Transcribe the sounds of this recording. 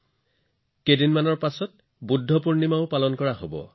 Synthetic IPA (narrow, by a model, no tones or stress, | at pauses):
kedinmanɔɹpasɔt̚ | budʱːɔpuɹnimaʊpalɔnkɔɹaɦo̰bɔ̰